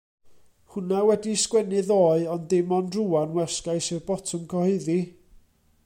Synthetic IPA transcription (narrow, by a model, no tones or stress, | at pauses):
hʊnawɛdiskwɛnɨðoːɨɔndɪmɔndruːanwɛskajsɪrbɔtʰʊmkʰɔhɨɨði